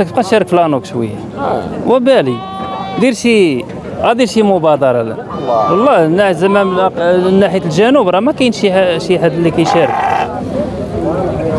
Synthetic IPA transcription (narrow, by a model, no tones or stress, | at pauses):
k̪̚qɑt̪ʃæɾˤəkflænukʃwə̰jːa | wæbæli | d̪iɾʃi | æd̪iɾʃimʊbɑd̪ɑɾˤɑlæ̰ | wɑlˤːɑnːæzæmːæmnːæħijat̪lʒænubɾˤɑmækæjnʃiʃiħad̪əlːikæjʃæɾək